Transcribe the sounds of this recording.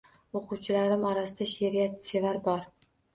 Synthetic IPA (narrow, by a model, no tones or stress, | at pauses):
oqʰʊwt͡ʃʰɪlaɾɪmɒɾasɪd̪aʃeɾijat̪se̞vaɾbɒɾ